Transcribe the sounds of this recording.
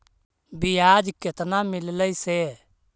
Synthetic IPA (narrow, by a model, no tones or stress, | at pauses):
bɪjaːd͡ʒkɪt̪namɪlləise